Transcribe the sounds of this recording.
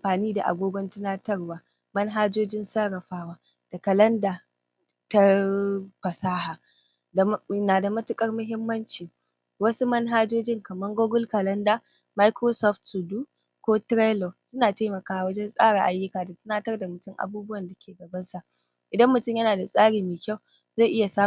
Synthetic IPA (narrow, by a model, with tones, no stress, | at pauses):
ʔa˨mɸaː˨niː˦da̰˨ʔa̰˨ɡʷoː˦ɡʷɔ˦ntɪ˦naː˦tɐ˦rwaː˦ | mɐ˦nɦaː˦d͡ʒoː˦d͡ʒɪ˦nsa˦ɾɐ˨ɸaː˦waː˦ | d̥a˨kɐ˨lɐ˦ndaː˨ | ta˦ | ɸɐ˨saː˦ɦaː˨˦ | naː˨da˨mɐ˦tʊ˦kʼɐ˦rmʊ˦ɦɪ˦mːɐ˦nt͡ʃiː˨ | wɐ˦su˦mɐ˦nɦaː˦d͡ʒoː˦d͡ʒɪ˦ŋkɐ˨mɐ˦ŋɡoː˦ɡʊ˦lkɐ˨lɐ˦ndaː˨ | ma˦jkɾoː˦sɔ˦ftsu˨duː˦ | kʷoː˦tɾe˦lo˨sʊ˦naː˨ta˦jmɐ˨kaː˦˨wɐ˦d͡ʒɛ˦nsʼaː˦ɽaː˨ʔa˦jːʊ˦kaː˨da˨tɐ˦naː˦tɐ˦rda˨mʊ˨tʊ˦ŋʔa̰˨buː˦bʊ˦wɐ˨nda˨kʲeː˨ɡɐ˨bɐ˦nsa˨ʔ | ʔɪ˨dɐ˦mːʊ˨tʊ˦ɲjɐ˦naː˨da˨sʼaː˦ɽiː˨meː˨kʲa˦˨w | za˦˨ʔɪ˦ja˨saː˦